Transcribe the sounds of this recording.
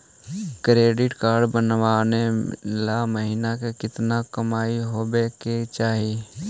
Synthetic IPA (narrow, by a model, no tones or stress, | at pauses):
kɾeːɖɪʈkaːɾɖbənwanelaməɦiːnakekɪt̪nakəmaːiɦobeket͡ʃaːɦi